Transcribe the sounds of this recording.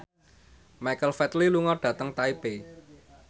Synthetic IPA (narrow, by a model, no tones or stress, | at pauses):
majkəlfɛt̪liluŋɔɖ̥ä̤t̪əŋt̪aipe